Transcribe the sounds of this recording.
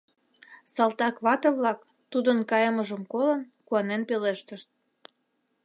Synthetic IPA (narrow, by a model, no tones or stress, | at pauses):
sɑlt̪ɑkβɑt̪ɤβlɑk | t̪ud̪ənkɑjəməʒəmkolən | kuɑnenpeleʃt̪əʃt̪̚